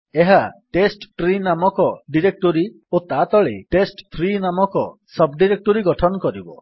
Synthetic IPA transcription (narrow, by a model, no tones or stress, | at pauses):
eɦaʈesʈʈɾinamɔkɔɖiɾek̚ʈoɾi | ot̪at̪ɔɭḛʈesʈt̪ʰɾinamɔkɔsɔbɖiɾek̚ʈoɾiɡɔʈʰɔnɔkɔɾibɔ